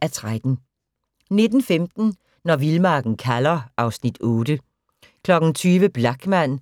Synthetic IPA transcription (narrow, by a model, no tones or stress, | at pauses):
æɐt͡sʰʁad̥n̩ | ne̝d̥n̩femd̥n̩ | nɒʋilmɑ̈ːɡ̥n̩kʰælɐʔɑ̈ʊsnid̥ɔ̽ːd̥ə | kʰlɒ̽ɡ̥n̩t͡sʰyːʋəb̥lɑ̈ɡ̥mæn̰